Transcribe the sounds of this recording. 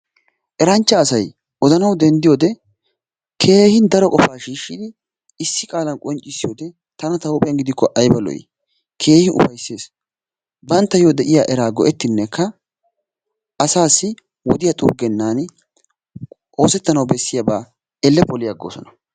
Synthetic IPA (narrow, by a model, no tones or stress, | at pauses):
ʔɛɾɐnt͡ʃːɐːsɐj | ʔɔd̪ɐnɐwd̪ɛnd̪ɪjoːd̪ɛ | kʰe̞ːhɪnd̪ɐɾɔkʼɔfaːʃiːʃːɪd̪ | ɪsːɪkʼaːlɐnkʼɔnt͡ʃʼːɪsːɪjoːd̪ɛ | t̪ɐnɐt̪ɐwpʼɛjɐnɡɪd̪ɪkʰːɔʔɐjbɐlɔ̰jɪ̰ | kʰe̞ːhɪnʊ̰fɐjsːe̞ːs | bɐnt̪ːɐjod̪ɛʔɪjaːʔɛɾaːɡɔʔɛt̪ːɪnːɛkːɐ | ʔːsaːsːɪ | wɔ̰d̪ɪjɐt̪ʼʊ̰ɡːɛnːaːn | ʔo̞ːsɛt̪ːɐnɐwbɛsːɪjabaː | ɛlːɛpɔlɪjɐɡːoːsɔ̰nɐ